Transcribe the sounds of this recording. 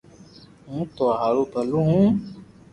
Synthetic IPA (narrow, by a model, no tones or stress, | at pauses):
ɦũːt̪oːɦaːɾoːpəlũɦũː